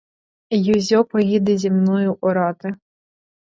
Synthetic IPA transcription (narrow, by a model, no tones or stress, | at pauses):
juzʲɔpɔɣʲid̪ɪzʲimnɔjʊʔɔɾɑt̪ɪ